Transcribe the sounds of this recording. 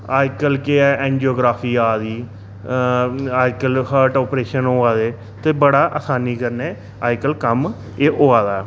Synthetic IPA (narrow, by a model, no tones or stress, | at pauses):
aːɪkəlkeɛːɛ̃ːnd͡ʒoːɡɾaːpʰiːaːd̪iː | aːɪkəlhəʈɔːpɾeːʃənɦoːaːd̪eː | t̪eːbəɽaːʔəsaːniːkəɾneː | aːɪkəlkəm | eʔoːaːd̪aː